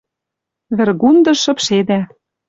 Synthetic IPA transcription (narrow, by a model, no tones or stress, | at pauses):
βɘ̆rɣund̪ɤ̆ʃɤ̆pʃed̪æ